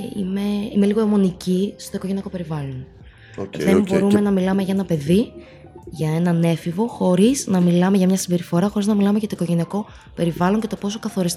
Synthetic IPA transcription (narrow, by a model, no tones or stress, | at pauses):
ḭme̞ime̞liɣoemo̞nicist̪o̞iko̞ʝe̞niɐko̞pe̞ɾivɐlo̞n | ðembo̞ɾume̞nɐmilɐme̞ʝɐe̞nɐpe̞ði | ʝɐe̞nɐne̞fivo̞xo̞ɾiznɐmilɐmeʝɐmɲɐsibe̞ɾifo̞ɾɐxo̞ɾiznɐmilɐme̞ʝɐt̪oiko̞ʝe̞niɐko̞ | pe̞ɾivɐlo̞ɲce̞t̪opo̞sokɐθo̞ɾis